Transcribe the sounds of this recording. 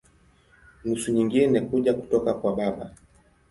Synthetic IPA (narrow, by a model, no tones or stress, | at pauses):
nusuɲiŋɡinɛkuʄaku̥tɔkakwaɓaɓa